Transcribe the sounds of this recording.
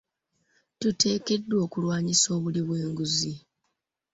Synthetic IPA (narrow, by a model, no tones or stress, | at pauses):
tute̞ːke̞dːwo̞ːkulwaːɲiso̞ːβuliβwe̞ːŋɡuzi